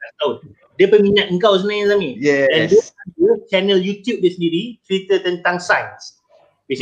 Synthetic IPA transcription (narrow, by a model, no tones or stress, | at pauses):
at̪aʊt̚ | dəpəmĩɲat̪̚əŋkaws̬ənãj̃samĩjɛ̃ndəantut͡ʃɛnəljut̪jup̚disəndiɾit̪ɾit̪ət̪ə̃nt̪ãŋsãjns | wis